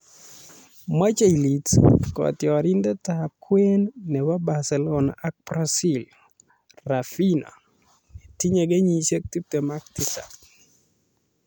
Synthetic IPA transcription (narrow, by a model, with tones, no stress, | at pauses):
ma˦t͡ʃa˦ili˨tkɔ̰tjɔɾi˦ndɛ˦takwe˦nnɛ˨wa˦ba˨sɛlɔna̰ʔa˦k̚pɾasil | rafina̰˨ | nɛti˦ɲe˨ɡe˦ɲise˦k̚ti˦p̚tɛma˦k̚tita̰k